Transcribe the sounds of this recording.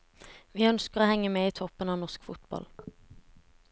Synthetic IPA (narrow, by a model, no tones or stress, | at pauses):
ʋiːœnskəʁoːhɛŋːəmɛːiːt̪ʰɔpːənɑːʋnɔʁskfʊt̪bɑ̰l